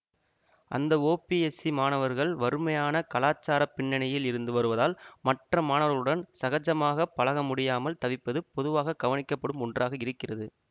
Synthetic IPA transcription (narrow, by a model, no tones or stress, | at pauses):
ʔɐ̰nd̪ɐoːpiɛsimaːnɐʋɐɾɣɐɭʋɐɾɯmɐjaːnɐkɐlaːt͡ʃːaːɾɐpːɪɳːɐnɐjɪlɪɾɯnd̪ɯʋɐɾɯʋɐðaːlmɐʈrɐmaːnɐʋɐɐɭɯɽɐnsɐɣɐd͡ʒɐmaːɣɐpːɐlɐɣɐmʊɽɪjaːmɐlt̪ɐʋɪpːɐðɯpːɔðɯʋaːɣɐɡɐʋɐnɪkːɐpːɐɽɯmɔɳdraːɣɐɪɾɯkːɪrɐðɯ